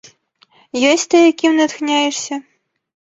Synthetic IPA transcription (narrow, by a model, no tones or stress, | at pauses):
jɔsʲtʲt̪ɨjakʲimnɐt̪xnʲajɛʂsʲɐ